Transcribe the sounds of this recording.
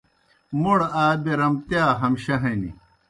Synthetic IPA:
moɽaːbeɾɐmt̪jaːɦɐmɕɐɦɐnḭ

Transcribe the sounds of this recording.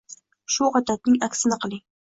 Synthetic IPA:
ʃuʁɑt̪ʰat̪̚nɪŋakʲsɪnɪqʰɨlˠɪŋ

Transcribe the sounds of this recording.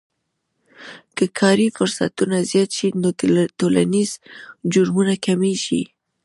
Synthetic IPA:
kəkʰɑɾifʊɾsa̰t̪unazjɑt̪ʃinod̪t̪ola̰niz̥d͡ʒʊɾmunakameʒḭ

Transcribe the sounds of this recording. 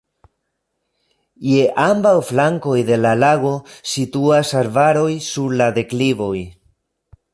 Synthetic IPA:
je̞ʔambawflaŋko̞jd̪e̞lalaɡo̞situasaɾvaɾo̞jsuɾlad̪e̞klivo̞j

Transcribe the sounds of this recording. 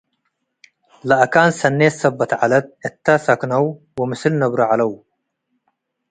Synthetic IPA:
laʔakaːnsɐnːeːsɐbːɐt̪ʕalɐd̪̚ɪt̪ːasɐknɐw | wɪmɪsɨlnɐbɾaʕalɐw

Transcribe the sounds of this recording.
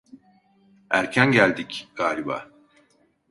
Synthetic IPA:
æɾcʰænɟælʲd̪icɡ̥aːlʲiba̰ː

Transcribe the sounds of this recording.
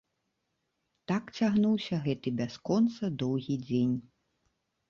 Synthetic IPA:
t̪akt͡sʲaɣnuwsʲɐɣɛt̪ɨbʲaskɔnt̪sɐd̪ɔwɣʲid͡zʲenʲ

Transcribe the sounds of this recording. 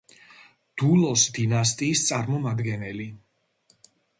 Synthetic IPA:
d̪̥ulˠɔsd̪inas̬t̪ʼiːst̪sʼaɾmɔmad̪ɡɛnɛli

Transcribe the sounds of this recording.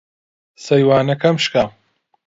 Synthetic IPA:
sɐjwaːnɐkɐmʃkaːm

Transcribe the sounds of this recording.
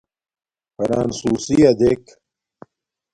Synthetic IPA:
pɐɾaːnsuːsijɐd̪ek

